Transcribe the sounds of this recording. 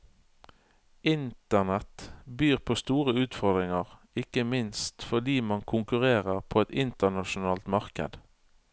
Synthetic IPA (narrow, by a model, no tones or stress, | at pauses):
ɪnt̪ənɛt̪byːʁpʰoːst̪uːʁəʉːt̪fɔʁd̪ʁɪŋəʁ | ɪkəmɪnst̪fɔʁd̪iːmɑŋkʰʊŋkʉʁeːʁəʁpʰoːɛt̪ɪnt̪ənɑʃʊnɑːlt̪mɑʁkə̰d̪